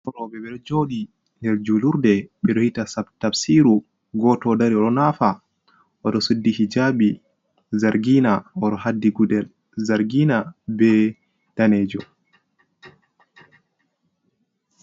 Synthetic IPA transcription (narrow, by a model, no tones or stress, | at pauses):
ʔɔɾɔbɛbɛɾd͡ʒoːɗi | nɛɾd͡ʒuluɾdɛɓɛɗɔhitasabtafsiɾu | ɡɔtɔdaɾiɔɗɔnafa | ʔɔɗɔsudːihid͡ʒabi | zaɾɡinaɔɗɔɦadːiɡudɛl | zaɾɡinabɛ | tanɛːd͡ʒɔ